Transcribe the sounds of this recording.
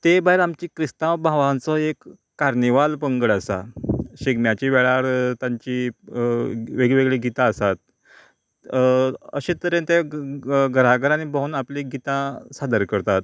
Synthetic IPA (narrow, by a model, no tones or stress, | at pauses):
t̪ebaɦiɾamt͡ɕiːkɾist̪ãʋbʱãʋãnt͡sɔekː | aɾniʋalpəŋɡəɽəsa̰ɕiɡmjat͡ɕiːʋeɭaɾt̪ãɲt͡ɕi | ʋeɡɭeʋeɡɭiɡit̪aəsat̪̚ | ə̰ɕẽt̪əɾẽnt̪e | ɡəɾaɡəɾañibəɦunapliɡit̪ãsad̪əɾkəɾt̪at̪̚